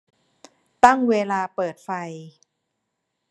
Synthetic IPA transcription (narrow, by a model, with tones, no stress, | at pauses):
t̪a˥˩ŋweː˧laː˧pɤː˨˩t̪̚fa˧j